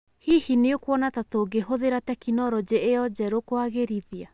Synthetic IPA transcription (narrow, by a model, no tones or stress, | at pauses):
hihineokwɔnatatoɡeɦoðeɾatɛkinɔɾɔd͡ʑeejɔd͡ʑɛɾokwaɣeɾiðia